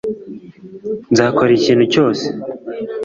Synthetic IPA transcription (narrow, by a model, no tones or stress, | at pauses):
nzaːkoɾeciːn̤̥huco̞ːse̥